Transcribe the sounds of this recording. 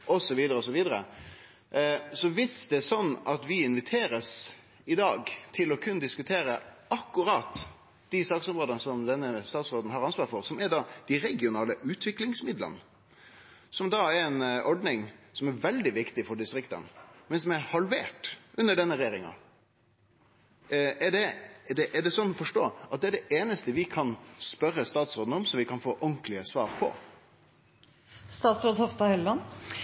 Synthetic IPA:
ʔɔsɔʋiːd̪əɾəɔs̬ɔʋiːd̪əɾə̰ | sɔʋɪsd̪ɛsɔnːɑt̪ʋɪɪnʋɪt̪ʰeːɾəs | ɪd̪ɑːɡt̪ʰɪlɔkʰʉnːəd̪ɪskʉt̪ʰeːɾəɑkːʉɾɑt̪ | d̪̥ɪsɑːksɔmʁoːd̪ɑnsɔmd̪ɛnːəst̪ɑːt̪sʁoːd̪n̩ɦɑɾɑnsʋɑːɾfɔɾsɔmɛɾɖɑd̪̥ɪɾɛɡɪʊnɑːləʔʉːt̪ʰʋɪklɪŋsmɪd̪lə̰n | sɔmd̪ɑɛɾɛnʔɔɖnɪŋsɔmɛɾʋɛld̪ɪʋɪkt̪ɪfɔɖɪst̪ɾɪkt̪ə̰nmɛnsɔmɛɾhɑlʋḛːʈʔʉnːəɖɛnːəɾjeːɾɪŋɑ̰ | ɛɖɛd̪ɛʔɛɖɛsɔnːɔfɔʂʈo̰ːʔɑt̪̚d̪ɛɖɛʔeːnəst̪əʋɪkʰɑnspœɾːəst̪ɑːt̪sɾoːd̪n̩ɔmsɔmʋɪkʰɑnfoːʔɔŋklɪəsʋɑːɾpʰɔ̰ | st̪ɑːt̪sɾoːd̪hɔfst̪ɑhɛlɑn

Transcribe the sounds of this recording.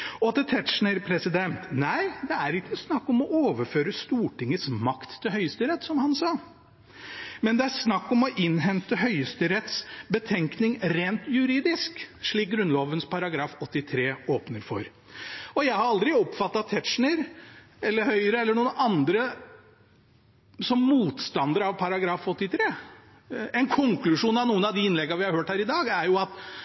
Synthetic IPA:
ɔt̪ɪt̪ʰɛtʂnəɾpʰɾɛsɪd̪ɛnt̪næɪd̪ɛæɾɪkːəsnɑkːɔmɔʔoːʋəføːɾəst̪uːʈɪŋːəsmɑkt̪ʰːɪlhœʏəst̪yːɾət̪sɔmhɑnsɑː | mɛnd̪ɛæɾsnɑkːɔmɔʔɪnːɦɛnt̪əɦœʏəst̪yɾɛt̪sbət̪ʰɛŋknɪŋɾeːnt̪jʉɾiːd̪ɪskʂɭiːk̚ɡɾʉnloːʋənspɑɾɑɡɾɑːfɔt̪ːɪt̪ʰɾeːoːpnəɾfɔ̰ɾ | ɔjæɪhɑɾɑld̪ɾɪɔpfɑt̪ːɑt̪ʰɛt̪ʂɳəɾ | ɛlːəɾhœʏəɾəɛlːəɳuːənɑnd̪ɾə | sɔmːuːt̪st̪ɑnd̪əɾɑʋpʰɑɾɑɡɾɑːfɔt̪ːɪt̪ʰɾeː | ɛnkʰɔŋklʉʂuːnɑʋnuːənɑʋd̪ɪɪnlɛɡːɑʋɪhɑɾhøːʈhæːɾɪd̪ɑːɡæɾjʊɑt̪

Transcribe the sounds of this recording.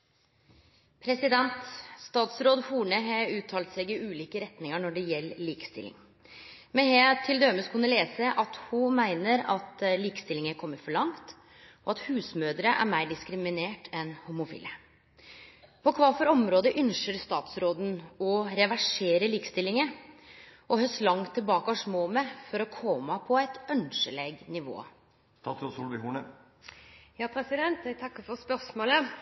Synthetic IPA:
pʰɾɛsɪd̪ɛnt̪st̪ɑːt̪sɾoːd̪huːɳəɦɑʉːt̪ʰːɑːlt̪sɛɡɪʉːliːkəɾɛt̪nɪŋəɳɔɖɛjɛlːliːkə̥st̪ɪ̰lːɪ̰ŋ | mɛnhet̪ʰɪld̪øːməskʰʉnːəleːsəʔɑt̪hʊmæɪnəɾɑt̪liːkə̥st̪ɪlːɪŋəkʰɔmːəɾfɔɭɑŋt̪ | ɔɑt̪hʉːsmøːd̪ɾəʔæ̰ɾmæɪɖɪskɾɪmɪneːʈʰɛnhumʊfḭːlə | pʰɔkʰʋɑːfɔɾɔmɾoːd̪əʔʏnʃəɾst̪ɑːt̪sɾoːd̪n̩ɔɾɛʋæʂeːɾəliːkə̥st̪ɪlːɪŋə | ʔɔɦœslɑŋt̪ʰːɪlbɑːkəɔʂmoːmɛfɔɾɔkʰɔmɑpʰɔæɪt̪œnʂəleːɡnɪʋo̰ː | t̪ʰɑt̪ʊsuːlʋɪhuːnə | jɑːpʰɾɛsɪd̪ɛnt̪jæt̪ʰɑkːəfɔspœsmoːlə

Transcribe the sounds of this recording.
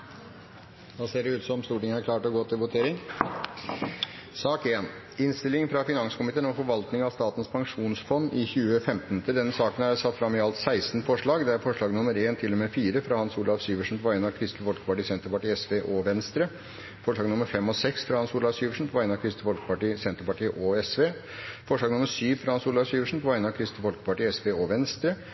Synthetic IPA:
d̪ɑːseːɖɛʉːt̪sɔmst̪uːʈɪŋəæɾkʰlɑːʈɔɡɔːt̪ʰːɪlʋʊt̪ʰeːɾɪŋ | sɑːkeːn | ɪnst̪ɪlɪŋfɾɑfɪnɑŋsə̥kʊmɪt̪ʰeːnɔfɔɾʋɑlt̪nɪŋɑʋst̪ɑːt̪ən̩spʰɑŋʂuːnsfɔnːɪçʉːəfɛmt̪nt̪ʰəld̪ɛnːəsɑːkənæɾsɑt̪ːfɾɑmːɪɑlt̪sæɪst̪n̩fɔʂɭɑːɡd̪ɛæɾfɔʂɭɑːɡnʊməɾeːnt̪ʰɪlːɔmɛfiːɾəfɾɑhɑnsuːlɑfsyːʋəʂn̩pʰɔʋæɪnɑʋkʰɾɪst̪əʋɔlkə̥pɑʈiːsɛnt̪əɾpɑʈiːɛsʋeːʔɔʋɛnst̪ɾə | fɔʂɭɑːɡnʊməɾfɛmːɔsɛksfɾɑhɑnsuːlɑʋsyːʋəʂn̩pʰɔʋæɪnəɑkʰɾɪst̪əfɔlɡəpɑʈiːsɛnt̪ɾəpɑʈiːəʔɔɛsʋeː | fɔʂɭɑːɡnʊmːəʂyːʋfɾɑhɑnsuːlɑʋsyːʋəʂn̩pʰɔʋæɪnəɑʋkʰɾɪst̪əfɔlɡəpɑʈiːɛsʋeːɔʋɛnst̪ɾə

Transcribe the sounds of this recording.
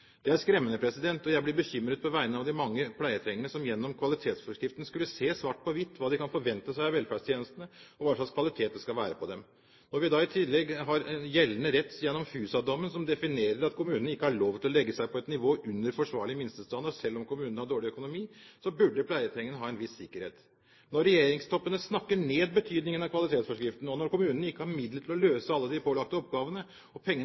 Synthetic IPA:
d̪̥ɛæɾskɾɛmːənəpʰɾɛsɪd̪ɛnt̪ɔjæɪblɪɾbəçʏmːɾəd̪̚pʰɔʋæɪənəɑʋd̪ɪmɑŋːəpʰlæɪət̪ʰɾɛŋːənəsɔmjɛnːɔmkʰʋɑlɪt̪ʰeːt̪sfɔʂkɾɪft̪ənskʉlːəseːsʋɑːʈ̚ːpʰɔʋɪt̪ːʋɑːd̪ɪkɑnfɔɾʋɛnt̪əsæɪɑʋɛlfæɖʂt̪ʰjeːnəst̪nəɔʋɑʂɑkskʰʋɑlɪt̪ʰeːt̪̚d̪ɛskɑlʋæːɾəpʰɔd̪ɛm | nɔɾʋɪd̪ɑɪt̪ʰɪllːɛɡɦɑɾjɛlːənəɾɛt̪ːjɛnːɔmfʉːsɑd̪ɔmːənsɔmd̪ɛfɪneːɾəɾɑt̪kʰʊmʉːnən̩ɪkːəhɑɭoːʋt̪ʰɪlɔlɛɡːəsæɪpʰɔɛt̪nɪʋoːʔʉnːəɾfɔʂʋɑːɭɪəmɪnst̪əst̪ɑnd̪əsɛlːɔmkʰʊmʉːnnəhɑɖoːɭɪœkʊnʊmiːsɔbʉɖəpʰlæɪət̪ʰɛŋːənəɦɑːɛnʋɪsːɪkːəɾhḛːt̪ | nɔɾːɛjeːɾɪŋst̪ʰɔpːənəsnɑkːəɳeːd̪̚bət̪ʰyːd̪nɪŋənɑkʋɑlɪt̪ʰeːt̪sfɔʂkɾɪft̪nɔnɔɾkʊmʉːnən̩ɪkːəhɑɾmɪd̪ləʈ̪ʰɪlɔløːsəɑlːəd̪ɪpʰoːlɑk̚t̪əɔp̚ɡɑːʋənə | ɔpʰɛŋːə

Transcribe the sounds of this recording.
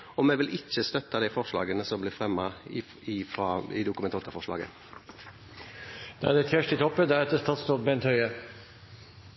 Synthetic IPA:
ɔmɛʋɪlʔɪt͡ʃːəst̪œt̪ːɑd̪ɛɪfɔʂlɑ̰ːɡənəsɔmblɪːɾfɾɛmːɑ | ɪfɑɪ̰d̪ʊkʉmɛnt̪ɑːt̪əɾfɔʂɭɑ̰ːɡə̰ | d̪̥ɛæɖ̪ɛfjæʂʈɪt̪ʰɔpːəd̪æɾɛt̪̚d̪ɛst̪ɑːt̪st̪ɔpbɛnt̪hœʏə

